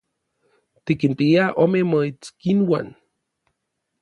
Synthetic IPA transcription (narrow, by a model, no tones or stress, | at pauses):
t̪ikinpiaʔomemoit͡skinwan